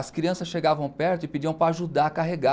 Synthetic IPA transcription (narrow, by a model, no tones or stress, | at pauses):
ɐskɾiɐ̃sɐsʃeɡavɐ̃w̃pɛɾt̪ʊɪpid͡ʒiɐ̃w̃pɾaːʒud̪aɾɐkaɦeɡa